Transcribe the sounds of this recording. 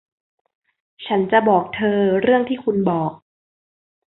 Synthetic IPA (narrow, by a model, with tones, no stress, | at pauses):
t͡ɕʰa˦˥nt͡ɕa˨˩bɔː˨˩k̚t̪ʰɤː˧ɾɯ˥˩əŋt̪ʰiː˥˩kʰu˧nbɔː˨˩k̚